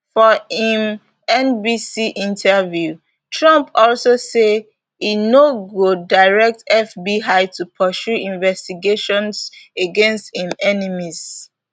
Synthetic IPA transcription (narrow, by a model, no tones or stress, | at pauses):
fɔĩm | ɛ̃nbisiʔĩntʰɛvju | tʰɹãmpɔlsose | inoɡodaɪɹɛk̚tɛfbiɦaɪtupʰɔʃuĩnvɛstiɡeʃɔ̃nseɡɛ̃nsthĩmɛnimiz